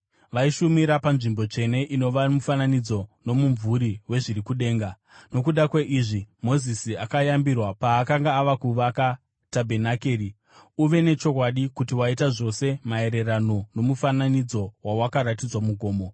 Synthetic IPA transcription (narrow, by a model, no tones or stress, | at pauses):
ʋaiʃumiɾapanʐimbo̞t͡ʃe̞ne̞ʔino̞ʋamufananid͡zo̞no̞muɱvuɾiwe̞ʐiɾikuɗe̞ːŋɡa | no̞kuɗakweʔiʐimo̞zisiakajambirwapaːkaŋɡaːʋakuʋaka | tabʱe̞nakeːɾi | uʋe̞ne̞t͡ʃo̞kwaɗikutiwaitaʐo̞se̞mae̞ɾe̞rano̞no̞mufananid͡zo̞wawakaɾat̬id͡zwamuɡʱo̞ːmo̞